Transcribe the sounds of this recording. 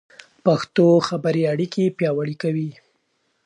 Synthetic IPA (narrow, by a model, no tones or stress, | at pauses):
paxt̪oxabaɾiaɽikepjɑwaɽikawi